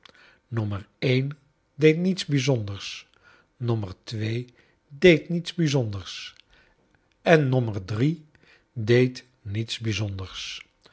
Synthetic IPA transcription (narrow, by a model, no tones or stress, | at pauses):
nømərejn | dejtnitzbizɔndəɹs | nɔmərtʋeː | dejtnitzbizɔndəɹs | ʔɛnːɔmərdri | dejt | nitsbizɔndəɹs